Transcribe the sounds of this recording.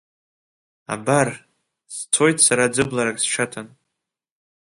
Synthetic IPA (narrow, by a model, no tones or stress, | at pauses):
a̰bar | st͡sʷʰo̞jtʰʼsaɾad͡zɨblaɾakʼst͡ʃʰatʰan